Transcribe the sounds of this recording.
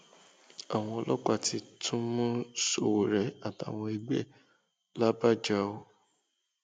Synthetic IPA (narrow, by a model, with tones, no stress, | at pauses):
a˨w̃ɔ̃˧ɔ˧lɔ˦k͡pa˦˨ti˧˦tʰũ˦mũ˦so˦˨wo˨ɾɛ˨˦a˦˨ta˨w̃ɔ̃˧i˧ɡ͡bɛ˦˨ | la˦ba˦˨d͡ʒa˦o˦